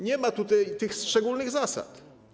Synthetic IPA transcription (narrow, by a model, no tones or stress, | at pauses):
ɲɛmat̪ut̪ajt̪ɘxst͡ʂɛɡulnɘɣzasa̰t̪